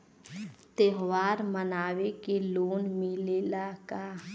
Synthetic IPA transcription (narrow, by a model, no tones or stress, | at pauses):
t̪eɦwaːɾmənaːwekeloːnmẽleːlakaː